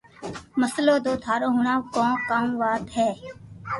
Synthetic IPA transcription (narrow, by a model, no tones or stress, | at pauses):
məsloːd̪oːt̪ʰaːɾoːɦʊɳãːkõːkaːmʋaːd̪ɦɛː